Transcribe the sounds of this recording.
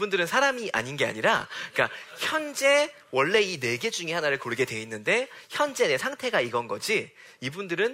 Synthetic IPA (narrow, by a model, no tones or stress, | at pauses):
bundɯɾɯnsʰaɾamiʔa̰ɲinɡe̞a̰ɲiɾa̰k͈açjʌnd͡ʑe̞ | wʌɭːe̞ine̞ɡe̞d͡ʑuŋehanaɾɯɭkoɭɡe̞dwe̞inːɯnde̞çjʌnd͡ʑe̞ne̞sʰaŋtʰe̞ɡaiɡʌnɡʌd͡ʑi | ibundɯɾɯn